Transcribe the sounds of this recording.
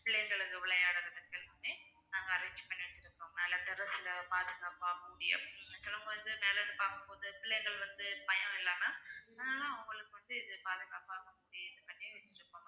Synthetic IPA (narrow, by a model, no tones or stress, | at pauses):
pɪɭːɛjŋɡɐɭɯkːɯʋɪɭɐjaːɽɐɾɐðɐkːɐlʋɐnenaːŋɡɐːɾɐːɲd͡ʒpɐɳːiʋɐt͡ʃːɪɾɯkːõːnɛːlɐt̪ɛɾɐsɪlɐpaːðɯɣaːpaːɣɐmʊɽɪ̰jɐ̰sɪlɐŋɡɐʋɐnd̪ɯneːlɐnːɯpaːɾkɯmpoːðɯpɪɭːɛjŋɡɐɭʋɐnd̪ɯpɐjɐ̃ɪlːaːmɐðnaːlãːɐʊŋɡɐɭɯkːɯʋɐnd̪ɯɪðɯpaːðɯɣaːpaːɣɐmʊɽɪjɐɪðɯpɐnːɪjɐʋɐt͡ʃːɪɾɯkːõːm